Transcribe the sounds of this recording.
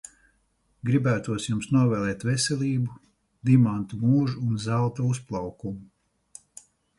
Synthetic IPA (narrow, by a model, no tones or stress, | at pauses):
ɡɾibæːt̪uɔsjumsnuɔvɛːlˠɛːt̪vɛsɛlʲiːbu | d̪imant̪umuːʒuːnzalˠt̪uusplˠawkumu